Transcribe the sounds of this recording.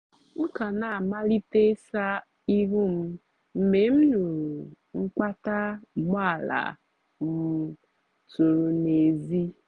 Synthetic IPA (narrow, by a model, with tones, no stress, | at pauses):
ŋ̩˦ka˨na˨a˨ma˦li˦te˦sa˦ | i˦ɦu˦m̩˦ | m̩˨me˨m̩˦nu˨ɾu˨ | ŋ͡m̩˦k͡pa˦ta˦˨m˦a˦˨la̰˨ | m̩˨˦ | tu˨ɾu˨ne˨zi˦